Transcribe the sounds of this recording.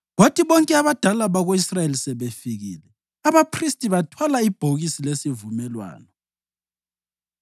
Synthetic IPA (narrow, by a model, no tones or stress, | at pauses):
ɣotʰʼiβɔŋkʼɛaβad̥ʱalaβaɣoisrajelisɛβefiɣḭːlɛ | aβapʰristʼiβatʰwalaib̥ʱoɣisilesivumɛlwa̰ːnɔ